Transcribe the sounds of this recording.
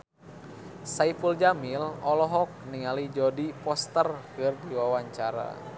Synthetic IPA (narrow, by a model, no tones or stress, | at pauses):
saifuld͡ʒamilɔlɔɦɔk̚niŋalid͡ʒɔdipɔst̪ərkɨrdiwawaɲt͡ʃaɾa̰